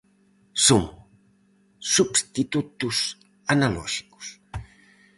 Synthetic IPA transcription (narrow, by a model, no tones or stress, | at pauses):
som | subst̪it̪ut̪us | analɔ̰ʒi̥ku̥s